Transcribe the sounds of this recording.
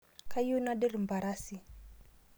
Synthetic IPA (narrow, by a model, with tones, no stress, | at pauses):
ka˦ju˦na˦ɗɛ˦ɾi˨mba˨ɾa˦si˨